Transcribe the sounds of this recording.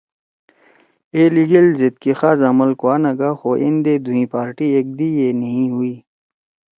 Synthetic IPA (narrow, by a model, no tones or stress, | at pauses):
eːliɡelzet̪̚kixaːzamɐlkwaːnɐɡaxoʔḭnd̪ed̪uɦĩpaːɾʈiek̚d̪ijenɐɦĩɦuiː